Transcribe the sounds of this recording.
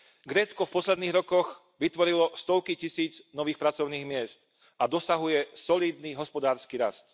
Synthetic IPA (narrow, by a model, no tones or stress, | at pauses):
ɡɾɛːt͡skɔfpɔslɛd̪niːɣɾɔkɔɣ | ʋit̪ʋɔɾilɔst̪ɔʊkicisiːd͡znɔʋiːxpɾat͡sɔʊniːɣmɪɛst̪ | ʔad̪ɔsaɦujɛsɔliːd̪niɦɔspɔd̪aːɾskiːɾast̪